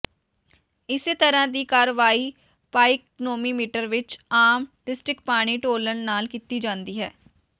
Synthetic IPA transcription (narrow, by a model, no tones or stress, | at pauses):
ɪset̪əɾãːd̪iːkaːɾəʋaːiː | paːɪk̚noːmiːmiːʈəɾʋɪt͡ʃaːmɖɪsʈɾɪk̚paːɽ̃iːʈoːləɳnaːlkiːt̪iːd͡ʒãːnd̪iːɦɛː